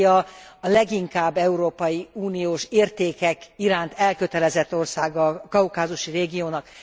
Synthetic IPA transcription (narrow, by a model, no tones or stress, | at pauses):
jɒɒlɛɡiŋkaːbːɛuɾoːpɒjiuːnijoːʃeːrt̪eːkɛkiɾaːnt̪ɛlkøt̪ɛlɛzɛt̪ːo̞rsaːɡɒkɒukaːzuʃireːɡijoːnɒk